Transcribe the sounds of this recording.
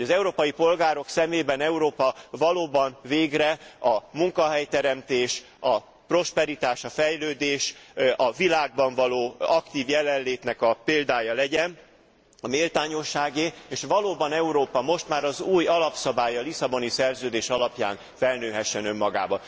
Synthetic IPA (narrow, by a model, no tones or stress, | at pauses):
oɟɒzɛuɾoːpɒjipo̞lɡaːɾo̞ksɛmeːbɛnɛuɾoːpɒvɒloːbɒnveːɡrɛɒmuŋkɒɦɛjt̪ɛɾɛmt̪eːʃ | ɒ | pro̞ʃpɛɾit̪aːʃɒfɛjløːd̪eːʃɒvilaːɡ̚bɒɱvɒloːɒkt̪iːvjɛlɛnleːt̪nɛkɒpeːld̪aːjɒlɛɟɛn | ɒmeːlt̪aːɲo̞ʃːaːɡeeːʃʋɒloːbɒnɛuɾoːpɒmo̞ʃt̪maːɾɒzuːjɒlɒpsɒbaːjɒlisɒbo̞nisɛrzøːd̪eːʃɒlɒpja̰ːn | fɛlnøːɦɛʃːɛnømːɒɡa̰ːbɒ